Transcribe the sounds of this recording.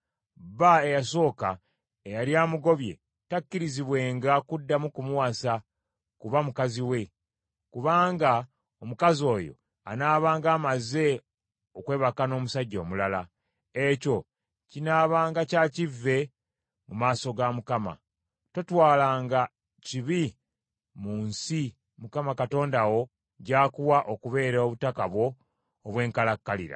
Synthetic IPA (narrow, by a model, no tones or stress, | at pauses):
baejaso̞ːka̰ | ejaljaːmuɡo̞βje̞̰ | takːiɾiziβwe̞ːŋɡakudːamukumwwasa | kuβamukaziwe̞ | kuβaːŋɡa | omukazo̞ːjo̞̰ | a̰naːβaːŋɡaːmaze̞ | okwe̞ːβakano̞ːmusaɟːo̞̰ːmulala̰ | eco̞ | cinaːβaːŋɡacaːcivːe̞ | mumaːso̞ɡamukama̰ | to̞twaːlaːŋɡa | ciβi | muːnsi | mukamakato̞ːndawo̞ | ɟaːkuwaʔokuβe̞ːɾoβutakaβwo̞ː | βwe̞ːŋkalakːalḭɾa̰